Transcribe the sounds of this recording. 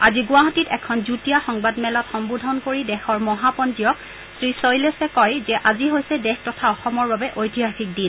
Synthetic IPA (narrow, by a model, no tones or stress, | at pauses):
aziɡʊwaɦɔtitɛkʰɔnzutijaxɔŋbadmɛlɔtxɔmbudʱɔnkoɹidɛxɔɹmɔɦapɔntijɔk̚ | sɹisojlɛsɛkɔjzɛʔaziɦojsɛdɛxtɔtʰaɔxɔmɔɹbabɛʔojtiɦaxik̚din